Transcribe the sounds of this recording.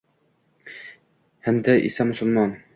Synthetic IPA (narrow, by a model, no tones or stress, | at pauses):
hænd̪æʔḭsæmɵ̆sə̆lˠmɑn